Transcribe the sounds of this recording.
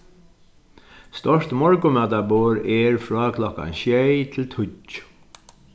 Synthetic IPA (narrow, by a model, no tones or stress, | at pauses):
st̪ɔʂt̪mɔɹkʊmœːt̪aboːɾɛɹfɹɔːkʰlɔhka̰nɕjejt̪ʰɪlt̪ʰʊ